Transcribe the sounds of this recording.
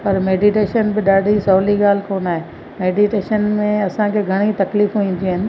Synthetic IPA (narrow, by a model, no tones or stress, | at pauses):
pɐɾmeːɖiʈeːʃənbɪɗaːɖʱisɔːliɡaːl̤ɪkoːnaːɦe | meːɖiʈeːʃənmẽɐsãkʰeɡʱɐɽ̃it̪ɐkliːfuʋĩːn̆d̪iɦɪnɪ̆